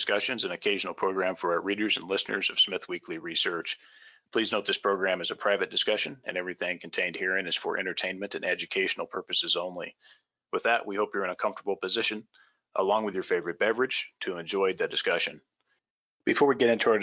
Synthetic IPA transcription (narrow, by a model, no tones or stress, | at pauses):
skʌʃɨ̃nzɨ̃nɨkʰeɪʒn̩l̩ˠpʰɹ̥oʊɡɹæ̃ɱfə˞aəɹiɾə˞zɨ̃nlɪsnə̰˞zʌv̥smɪθwikʰliɹisɜ˞t͡ʃ | pʰl̥iznoʊt̪̚ðɪspʰɹ̥oʊɡɹæ̃mɨzɨpʰɹ̥aɪvɨt̚d̥ɨskʌʃɨ̃nɨ̰̃nɛvɹiθɪ̃ŋkʰn̩tʰẽɪ̃nd̚hiɹɪ̃nɨz̥fə̰˞ʔɛ̰̃ɾ̃ə˞tʰẽɪ̃nmɨ̃ntɨ̃nɛd͡ʒɨkʰeɪʃn̩l̩ˠpʰɜ˞pɨsɨzõʊ̃nlḭ | wɨðəʔwihoʊpjə˞ɨ̃nɨkʰʌ̃ɱftə˞bl̩ˠpɨzɪʃɨ̃n | ʔə̰lɔ̃ŋwɨðjə˞feɪvə˞ɨt̚b̥ɛvə˞ɨd̥ʒ̥tʰɨɨ̃nd͡ʒɔɪd̪̚ðɨd̥ɨskʌʃɨ̰̃n | b̥ɨfɔɹwiɡɛɾɪ̃ntʰuə˞